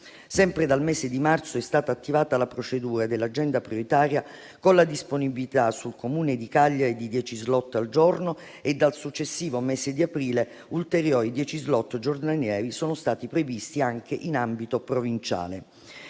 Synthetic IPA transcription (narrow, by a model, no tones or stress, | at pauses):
sɛmpɾed̪almɛːzed̪imart̪soɛst̪aːt̪aːt̪ːivaːt̪alapɾot͡ʃed̪uːɾad̪elːad͡ʒɛnd̪apɾijoɾit̪aːɾja | konlad̪isponibilit̪asulkomuːned̪ikaʎːaɾed̪id̪jɛt͡ʃizlɔt̪ːald͡ʒorno | ed̪ːalsut͡ʃːesːiːvomesed̪iapɾiːle | ult̪eɾjɔːɾid̪jɛːt͡ʃizlɔt̪ːd͡ʒord̪anjɛːɾisoːnost̪aːt̪ipɾevist̪iaŋk̟ʰeʔinambit̪opɾovint͡ʃa̰ːle